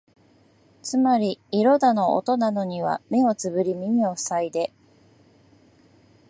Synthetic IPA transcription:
t͡sɨmaɾʲiiɾo̞d̪ano̞ʔo̰t̪o̞nano̞ɲ̟iβ̞a̰me̞o̞t͡sɨbɯ̟ɾʲimʲimʲio̞̥said̪e̞

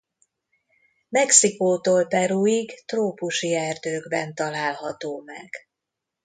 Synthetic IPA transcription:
mɛksikoːt̪oːlpɛɾuiɡt̪roːpuʃiɛrd̪øːɡbɛnt̪ɒlaːlɦɒt̪oːmɛ̰ɡ̥

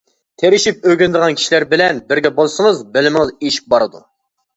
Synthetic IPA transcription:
t̪ʰeɾɪʃip̚øɡʲinɪd̪əʁɑnkʲʰi̥ʃilæɾbɪlɛnbɪɾɡʲɛbolˠsɨŋɨzbɪlɪmɪŋɨzeʃi̥p̚bɑɾɨd̪ṵ

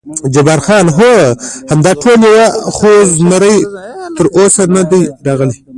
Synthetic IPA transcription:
d͡ʒabɑɾxɑnɦohamd̪ɑʈʰoljawaχoznaɾəjt̪əɾʔosanad̪ajɾɑɣəli

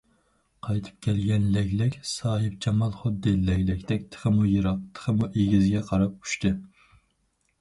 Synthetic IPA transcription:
qʰɑjt̪ʰɨ̥p̚kʲʰɛlɡʲɛnlɛɡʲlɪkʲsɑːɦɨp̚t͡ʃʰɑmɑlˠχʊd̪ːɪllɛɡʲlɪkʲd̪ɛk̚ʲt̪ʰə̥χəmujɨɾɑq̚t̪ʰə̥χʰəmuʔeɡʲizɡʲɛqʰɑɾɑp̚u̥ʃt̪ɨ

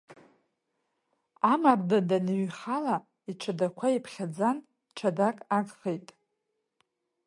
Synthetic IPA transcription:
amardadanɥχala | iʈ͡ʂʰadakʷʰaipʰχʲad͡zan | ʈ͡ʂʰadakʼaɡʼχejtʼ

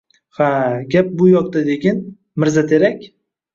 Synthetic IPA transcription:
haɡʲap̚bʊjɒq̚t̪ad̪eɡʲɪn | mɪɾzat̪ʰe̞ɾakʲ

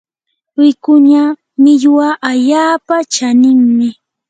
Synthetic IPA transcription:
wɪkʊɲa | mɪʎwaʔaʎaːpat͡ʃanɪŋmɪ

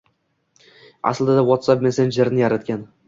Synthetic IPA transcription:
a̰slˠd̪ad̪awɒt̪sapmensend͡ʒeɾnɪjaɾat̪kʲan

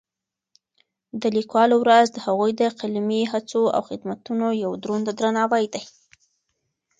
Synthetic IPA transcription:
d̪əlikwɑlowɾazd̪əhaɣujd̪əqalmiɦat͡soa̰wxɪd̪mat̪unojawd̪ɾond̪ad̪ɾanɑwajd̪aj

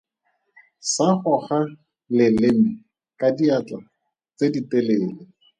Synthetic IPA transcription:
saχʊχa | lɪlɪm̩ | kadiat͡ɬa̰ | t͡sediteleːlɪ

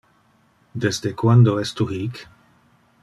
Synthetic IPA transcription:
d̪ezd̪ekwand̪oɛst̪urik

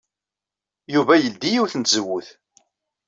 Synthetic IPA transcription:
juvæjəld̪ːijiwθənt̪zəwːuθ

